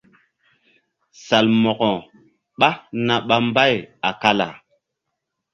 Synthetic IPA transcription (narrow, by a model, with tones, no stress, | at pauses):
sa˨lmɔ˨kɔ˨ | ɓa˦na˨ɓa˦mba˦˨ja˨ka˦la̰˨